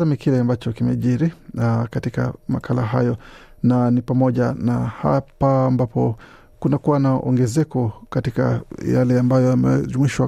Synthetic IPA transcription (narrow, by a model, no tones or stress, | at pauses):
amikilɛambat͡ʃɔkimɛ̰ʄiɾikatika̰makʰalaɦajɔ | nanipamɔʄanaha̰paːmbapɔ | kunakuwanaʔɔ̰ŋɡɛzɛkɔkatika̰ja̰lɛambajɔjamɛ̰zumwiʃwa